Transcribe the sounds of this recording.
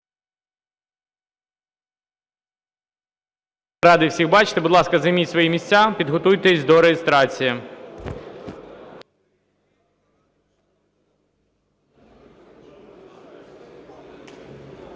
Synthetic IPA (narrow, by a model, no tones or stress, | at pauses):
ɾɑd̪ɪwsʲixbɑt͡ʃɪ̥t̪ebud̪lˠɑskɐzɐjmʲitʲsʋɔjimʲisʲt͡sʲapʲid̪ɦɔt̪ujt̪esʲd̪ɔɾejest̪ɾɑt͡sʲiji